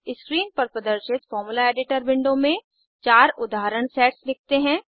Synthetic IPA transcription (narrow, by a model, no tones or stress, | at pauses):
ɪskɾiːnpɐɾpɐd̪əɾʃɪt̪fɔːɾmulaeːɖɪʈəɾbɪ̃ɳɖõmẽ | t͡ʃaːɾʊd̪ʱaːɾəɽ̃sɛːʈslɪk̚ʰt̪eɦɛ̃ː